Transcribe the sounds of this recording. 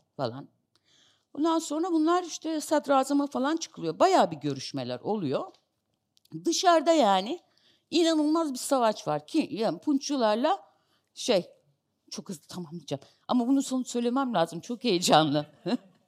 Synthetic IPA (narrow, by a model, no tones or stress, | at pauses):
fa̰lˠa̰n | bond̪anso̞nɾabunlˠaɾiʃt̪ʰɛsad̪ɾaːzamafalˠant͡ʃʰɯ̥kʰɯlˠɯjobajaːbiɟø̞ɾyʃmḛlʲæ̰ɾo̞lˠujo̞ | d̪ɯʃaɾd̪ajaːnɪ | inanɯlˠmazbisavat͡ʃvaɾcʰijaːnpʰunt͡ʃulˠaɾlˠa | ʃej | t͡ʃʰo̞khɯzlˠɯt̪ʰamamlˠid͡ʒam | a̰mabunuso̞nusø̞jlʲe̞mæmlʲaːzɯmt͡ʃʰo̞kejid͡ʒanlˠɯ